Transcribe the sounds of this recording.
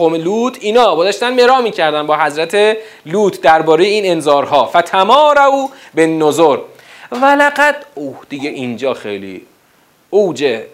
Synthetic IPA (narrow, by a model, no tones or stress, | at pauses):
omeluːt̪ʰiːnɒːɡozɒʃt̪ænmeɾɒːmiːcʰæɾd̪ændbɒːɦæzɾæt̪ʰe | luːt̪ʰd̪æɾbɒːɾe̞jeiːne̞nzɒːɾɦɒːfæt̪ʰæmɒːɾæuːbe̞nːozoɾ | vælæɢæd̪̥ohd̪̥ijeʔind͡ʒɒːxḛjlḭ | oːd͡ʒe